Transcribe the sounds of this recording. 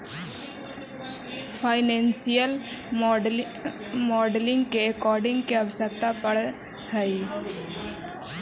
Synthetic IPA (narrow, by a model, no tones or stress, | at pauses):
pʰaːɪnẽːnsijəl | mɔːɖlɪ̃ŋɡkekɔːɾɖɪ̃ŋɡkeɐʋsək̚t̪apəɽ | həi